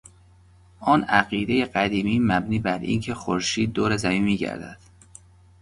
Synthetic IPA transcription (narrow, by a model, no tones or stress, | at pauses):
ʔɒːnæɣiːd̪e̞jeɢæd̪iːmiːmæbniːbæɾḭːncʰe̞xoɾʃiːd̪̚ːoːɾezæmiːnmːiːɟæ̰ɾd̪æ̰d̪̥